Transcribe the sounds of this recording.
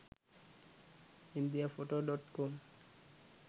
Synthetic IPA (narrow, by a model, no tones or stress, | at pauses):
ind̪iafoʈoɖɔʈkom